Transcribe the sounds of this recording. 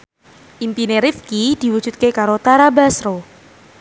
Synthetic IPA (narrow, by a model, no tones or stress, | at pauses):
ʔimpineɾifkid̪̥i̤wud̥ʒ̥ut̪̚kekaɾot̪aɾabasɾo